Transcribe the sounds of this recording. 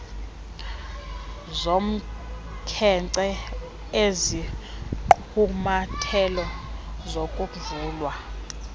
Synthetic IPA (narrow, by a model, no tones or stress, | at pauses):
zom̩ | kʰɛǀɛ | eziǃʰ | umatʰɛlɔzokʼuvuːlwa